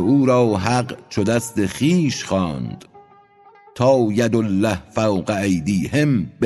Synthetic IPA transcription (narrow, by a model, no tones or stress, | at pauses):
uːɾɒːɦæɢt͡ʃʰod̪æst̪exiːʃχɒːnd̪̥ | t̪ʰɒːjæd̪olːæhfæwɢæejd̪iːhemb̥